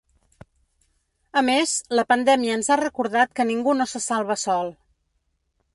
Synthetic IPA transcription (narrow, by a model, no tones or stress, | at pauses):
əmezləpənd̪ɛmiəːnzarəkuɾðat̪̚kəniŋɡunosəsalˠβəsɔlˠ